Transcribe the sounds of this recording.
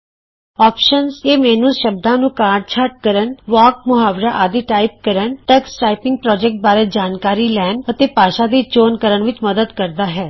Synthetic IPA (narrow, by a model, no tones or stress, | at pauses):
ɔːpʃənzeːmɛːnũːʃəb̚d̪ãːnũːkaːɾɖt͡ʃʰaːɾʈ̚kəɾənʋaːk̚mʊɦaːʋɾaːʔaːd̪iːʈaːɪp̚kəɾənʈəksʈaːɪpɪ̃ŋɡ̚pɾɔːd͡ʒɛk̚ʈ̚baːɾeːd͡ʒaːnkaːɾiːlɛːnət̪eːpaːʃãːd̪iːt͡ʃoːnkəɾəɳʋɪt͡ʃməd̪əd̪kəɾd̪aːɦɛː